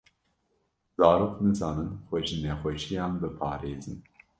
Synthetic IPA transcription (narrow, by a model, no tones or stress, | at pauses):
zɑːɾoːknɨzɑːnɨnxʷɛʒinɛxʷɛʃijɑːnbɨpʰɑ̰ːɾeːzɨn